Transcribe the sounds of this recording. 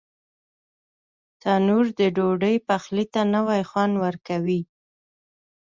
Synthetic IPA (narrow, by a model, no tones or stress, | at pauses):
t̪ɑnuɾd̪əɖoɖəjpaxlit̪anəwajxwanwəɾkawi